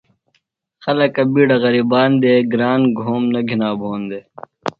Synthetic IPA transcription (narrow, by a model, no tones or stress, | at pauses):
xɐlɐkɐbiːɽɐɣɐɾiːbaːnd̪eːɡɾaːnɡʱoːmnɐɡʱinaːbʱoːnd̪eː